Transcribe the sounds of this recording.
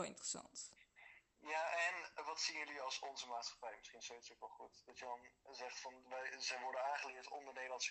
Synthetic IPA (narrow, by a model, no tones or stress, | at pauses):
lˠɪ̰ntərəsɑ̰nt | jaʔɛnʋɑtsinjəliɑlˠsɔnzəmaːtsχɑ̥pɛjmɪsχinsowitsokʋɛlˠχutd̥ɑtjədɑnzɛχtfɑnʋɛjzɛjʋɔɹdənaːχəlɪːɹtɔ̰ndəɹnejdəlɑnsə̥